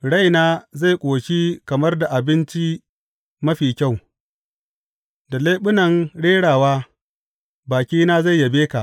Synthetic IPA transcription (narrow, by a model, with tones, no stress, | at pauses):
ɽa˦˨jnaː˦za˦˨jkʷʼoː˨ʃi˦kɐ˨mɐ˦rda˨ʔa˨bɪ˦nt͡ʃi˦ | mɐ˦ɸiː˨kʲa˦˨w | da˨leː˦ɓʊ˦nɐ˨ŋɽeː˦ɽaː˨waː˦ | baː˨kʲiː˦naː˦za˦˨jːɐ˨beː˦ka˨ʔ